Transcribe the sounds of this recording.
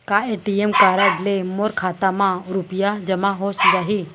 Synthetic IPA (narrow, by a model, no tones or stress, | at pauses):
kaeːʈiemkaːɾəɖlemoɾkʰaːt̪amãɾʊpijad͡ʒɐmaɦosd͡ʒaːɦi